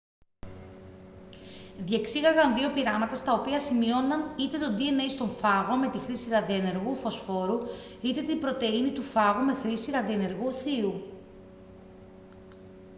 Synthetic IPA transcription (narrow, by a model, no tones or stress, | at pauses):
ðje̞ksiɣɐɣɐnðio̞piɾɐmɐt̪ɐst̪ɐo̞piɐsimio̞nɐnit̪e̞t̪o̞d̪ie̞nejst̪o̞ɱfɐɣo̞me̞t̪ixɾisiɾɐðiene̞ɾɣufo̞sfo̞ɾu | it̪e̞t̪imbɾo̞t̪e̞init̪ufɐɣume̞xɾisiɾɐðiene̞ɾɣuθiu